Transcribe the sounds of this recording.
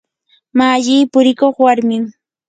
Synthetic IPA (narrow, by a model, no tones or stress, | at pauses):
maːʎiːpʊɾɪkoχwaɾmɪm